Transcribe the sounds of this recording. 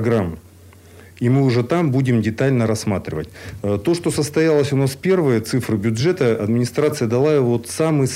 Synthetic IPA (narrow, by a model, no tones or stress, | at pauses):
ɡɾam | imɨʊʐɛt̪ambudʲɪmdʲɪt̪alʲnəɾɐsmat̪ɾʲɪvətʲːt̪o̞ʂt̪o̞səst̪ɐjalˠəsʲʊnaspʲe̞rvɨjət̪sɨfɾɨbʲʊdʐɛt̪əɐd̪mʲɪnʲɪst̪ɾat̪sɨjəd̪ɐlˠaɪvot̪samɨj